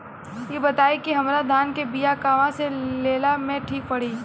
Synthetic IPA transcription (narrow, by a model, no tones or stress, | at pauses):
jebɐt̪aːikiɦɐmɾad̪ʱaːnkebijakaːʋãseleːlamẽʈʰiːk̚pɐɽ̤iː